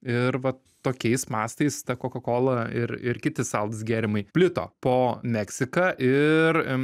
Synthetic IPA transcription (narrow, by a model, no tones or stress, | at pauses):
ɪɾʋɐ | t̪oːkʲɛɪsmɑːst̪ɐɪst̪ɐkoːkɐkoːlˠɐɪɾɪ̰ɾkʲɪt̪ʲɪsɐlˠd̪ɐsɡʲæːɾʲɪmɐɪpʲlʲɪt̪o̰ːpoːmʲɛksʲɪkɑʔɪr